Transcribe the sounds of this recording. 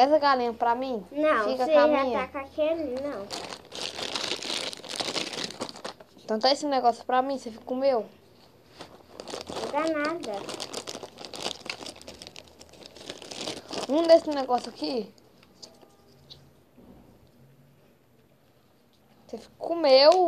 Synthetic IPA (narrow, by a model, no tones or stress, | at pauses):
ɛsɐɡalĩɲɐ̃pɾamĩnɐ̃w̃fikɐskeaʒãakakenĩnɐ̃w̃ | ẽt̪ɐ̃w̃t̪aesɪnɛɡɔsju̥pɾamĩsefikɐkũmew | ɡanad̪ɐ | ũd̪esɪnɛɡɔsjʊaki | sefi̥kɐkõmew